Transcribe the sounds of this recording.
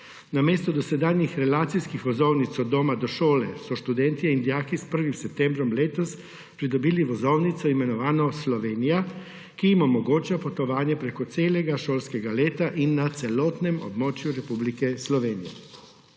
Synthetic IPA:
nameːst̪ɔd̪ɔsɛd̪aːnjixɾɛlaːt̪sijskixʋɔzɔwnit̪sɔd̪oːmad̪ɔʃoːlɛsɔʃt̪ud̪ɛnt̪iɛind̪jaːkispəɾʋimsɛp̚t̪ɛmbɾɔmleːt̪ɔs | pɾid̪ɔbiliʋɔzɔwnit̪sɔimɛnɔʋaːnɔslɔʋeːnija | kijimɔmɔɡoːt͡ʃapɔt̪ɔʋaːnjɛpɾekɔt̪seːlɛɡaʃoːlskɛɡaleːt̪aʔinːat̪sɛlɔːt̪nɛmɔ̰bmɔːt͡ʃjuɾɛpublikɛslɔʋeːnijɛ̰

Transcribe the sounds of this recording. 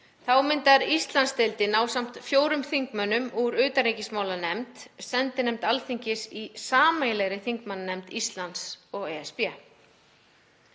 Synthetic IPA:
θawmɪnt̪aɾist̪lanst̪ɪlt̪ɪnaːwsam̥t̪fjoːwɾʏmθiŋkmœnːʏmuɾʏːt̪aɾejcɪsmaːwlanɛmt̪sɛnt̪ɪnɛmt̪alθiɲcɪsisaːmajlɛɣɾɪθiŋkmannɛmt̪ist̪lansɔɣɛɛspɛ

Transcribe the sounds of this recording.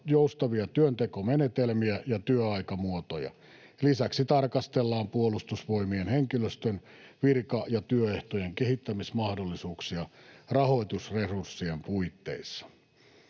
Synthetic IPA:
joust̪ɑʋiɑt̪yønt̪ekomenet̪elmiæjɑt̪yøɑikɑmuot̪ojɑ̰ | lisæksit̪ɑrkɑst̪elːɑːmpuolust̪usʋo̞imienheŋkiløst̪ønʋirkɑjɑt̪yøeht̪ojeŋkehit̪ːæmismɑhdolːisuːksiɑrɑho̞it̪usresursːiempuit̪ːḛisːɑ̥

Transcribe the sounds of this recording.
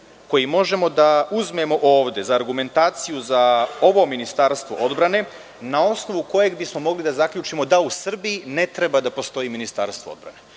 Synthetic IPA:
ko̞jimo̞ʒe̞mo̞d̪auzme̞mo̞ʔo̞ːʋd̪e̞zaːɾɡume̞nt̪aːt̪sijuzaoʋo̞minist̪aːɾst̪ʋo̞̰ʔo̞d̪bɾane̞ | nao̞sno̞ʋuko̞je̞ɡbismo̞mo̞ɡlid̪azakʎʲuːt͡ʃimo̞d̪ausr̩biine̞t̪ɾebad̪apo̞st̪o̞iminist̪aːɾst̪ʋoo̰d̪bɾa̰ne

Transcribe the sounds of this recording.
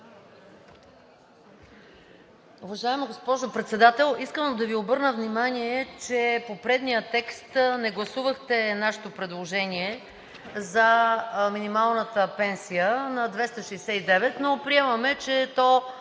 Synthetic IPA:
uvɐʒaɛmiɡospɔʒopɾɛt̪sɛd̪at̪ɛlˠiskəmd̪ɐviobɤɾnəvnimaniɛt͡ʃɛpopɾɛd̪nijət̪ɛkst̪nɛɡlˠɐsuvəxt̪ɛnaʃɛ̥t̪opɾɛd̪lˠoʒɛniɛ | zɐminimalˠnət̪əpɛnsijənɐd̪vɛst̪əʃɛjsɛid̪ɛvɛt̪nopɾiɛməmɛt͡ʃɛt̪ɔ

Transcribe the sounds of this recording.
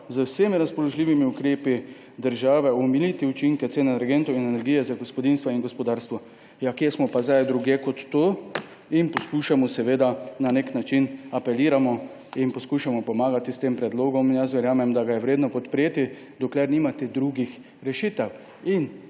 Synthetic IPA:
zəwsemiɾaspɔlɔʒlʲiːʋimiukɾeːpi | d̪əɾʒaːʋɛɔmilit̪iut͡ʃiŋkɛt̪seːnɛnɛɾɡent̪oinɛnɛɾɡiːjɛzaɡɔspɔd̪inst̪ʋaiŋɡɔspɔd̪aːɾst̪ʋɔ | jakjesmɔpazajd̪ɾuɡjeːkɔt̪ːoː | inpɔskuʃamɔsɛʋeːd̪ananeknat͡ʃinapɛliːɾamɔ | inpɔskuːʃamɔpɔmaːɡat̪ist̪eːmpɾɛd̪loːɡɔminjɛs̬ʋɛɾjaːmɛmd̪aɡajɛʋɾeːd̪nɔpɔt̪pɾeːt̪i | d̪ɔklɛɾniːmat̪ɛd̪ɾuɡix | ɾɛʃit̪ɛw | in

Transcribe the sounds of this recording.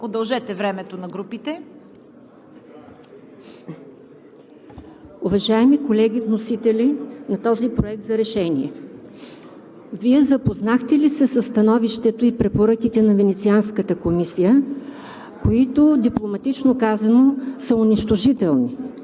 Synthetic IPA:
od̪ɐlˠʒɛt̪ɛvɾɛmɛt̪onɐɡɾupit̪ɛ | ʊvɐʒaɛmikolɛɡ̟ʲivnosit̪ɛlinɐt̪ɔzipɾoɛk̚t̪zɐɾɛʃɛniɛ | viɛzɐpoznaxt̪ɛlisɛsəst̪ɐnɔviʃt̪ɛt̪oipɾɛpoɾɤk̟it̪ɛnɐvɛnɛt̪sianskət̪əkomisijə | koit̪od̪iplˠomɐt̪it͡ʃnokazɐnosəʊniʃt̪oʒit̪ɛlˠni

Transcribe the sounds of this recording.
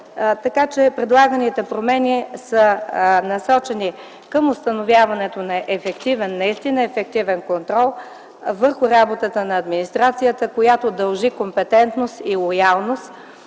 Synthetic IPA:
t̪ɐkat͡ʃɛpɾɛd̪lˠaɡənit̪ɛpɾomɛnisənɐsɔt͡ʃɛni | kəmʊst̪ɐnovʲjavɐnɛt̪onɐʔɛfɛkt̪ivɛnːɐist̪inəɛfɛk̚t̪ivɛnkont̪ɾɔlˠ | vəɾxʊɾabot̪ət̪ənɐːd̪minist̪ɾat̪sijət̪əkojat̪od̪ɐlˠʒikompɛt̪ɛnt̪nost̪ilˠojalˠnost̪

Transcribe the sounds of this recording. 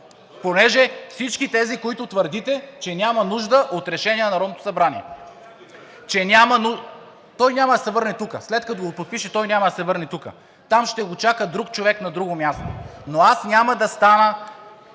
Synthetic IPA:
ponɛʒɛfsit͡ʃkit̪ɛzikoit̪ʊt̪vəɾd̪it̪ɛt͡ʃɛnʲamɐnuʒd̪əʔot̪ɾɛʃɛniɛnɐɾɔd̪not̪o̥sɐbɾaniɛ̰ | t͡ʃɛnʲamɐnu | t̪ɔjnʲamɐd̪ɐsɛvɤɾnɛt̪ukəslɛt̪kɐt̪oɡopot̪̚piʃɛt̪ɔjnʲamɐd̪ɐsɛvɤɾnɛt̪ukə̰ | t̪amʃt̪ɛɡot͡ʃakəd̪ɾukt͡ʃovɛknɐd̪ɾuɡomʲjast̪o̰noasnʲaməd̪ɐst̪anə

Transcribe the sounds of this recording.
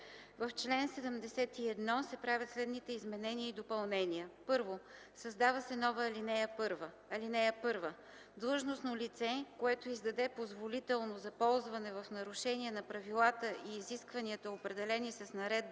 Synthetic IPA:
vɐft͡ʃlɛnsɛd̪əmd̪ɛsɛt̪iɛd̪nɔsɛpɾavʲjət̪slɛd̪nit̪ɛizmɛnɛniəid̪opɐlˠnɛniəpɤɾvo | sɐzd̪avɐsɛnɔvəːlinɛjəpɤɾvə | ɐlinɛjəpɤɾvə | d̪lˠɤʒnosnolit̪sɛkoɛt̪oizd̪ɐd̪ɛpozvolit̪ɛlˠnozɐpɔlˠzvɐnɛvɐfnɐɾʊʃɛniɛnɐpɾɐvilˠat̪əʔiːziskvɐniət̪əopɾɛd̪ɛlɛnisɐsnɐɾɛd̪̚b

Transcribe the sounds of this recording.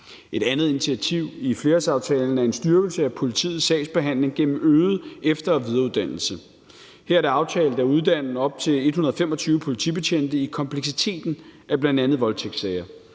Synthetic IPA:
ʔe̝ɾ̥ænð̩ˠinit͡sʰiæt͡sʰiʊ̰ifle̝ːɐsɑ̈ʊt͡sʰɛːln̩æɐe̝nsd̥yɐɡ̥l̩səæpʰo̝lit͡sʰḭːð̩ˠsɛ̰ːɪsb̥e̝ɦæn̰le̝ŋɡ̥en̰m̩øːð̩ˠefd̥ɐɒʋið̞ˠɐuðˠd̥ænl̩sə | heɐ̰ɐd̥æɑ̈ʊt͡sʰɛːld̩ˠæɐuð̞ˠd̥æn̰n̩ɒ̽b̥̚t͡sʰe̝le̝d̥hunɐðˠfemɒ̽t͡sʰyːʊəpʰo̝lit͡sʰḭb̥e̝t͡ɕʰen̰d̥əikʰɒ̽mpʰleɡ̥s̬it͡sʰe̝̰ːd̥n̩ʔæb̥lænd̥ænð̞̩ˠʋɒ̽lt͡sʰeɡ̥sɛɪɐ

